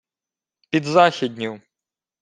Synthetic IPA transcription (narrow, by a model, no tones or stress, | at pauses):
pʲid̪zaxʲid̪ʲnʲuw